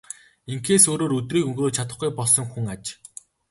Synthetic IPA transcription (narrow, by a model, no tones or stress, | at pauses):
iŋkeːsoːɾoːɾɵt̪riːkɵŋɡroːt͡ɕʰat̪ə̆χɡujpɔɮsɞ̆ŋxuŋat͡ɕ